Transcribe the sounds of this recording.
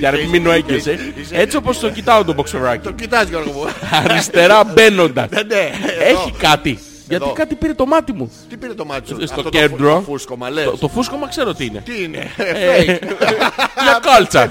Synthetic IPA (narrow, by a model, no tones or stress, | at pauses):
jɐɾemiminoeɟese | e̞t͡sio̞po̞st̪ocit̪ɐond̪obo̞ksovɾɐcicit̪ɐzkɣopɐɾist̪e̞ɾɐbe̞no̞nd̪ɐsneeçikɐt̪i | ʝɐt̪tkɐt̪ipiɾe̞t̪o̞mɐt̪imuipiɾet̪omɐt̪istt̪ocend̪ɾofuskomɐlot̪o̞fusko̞mɐkse̞ɾot̪iine̞t̪iinḛ | ɲɐkɐlt͡sɐ